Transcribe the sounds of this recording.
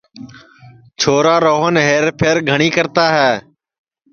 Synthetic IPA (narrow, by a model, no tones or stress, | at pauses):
t͡ʃʰoːɾaːɾoːɦənɦeːɾpʰeːɾɡʱəɳiːkəɾt̪aːɦɛː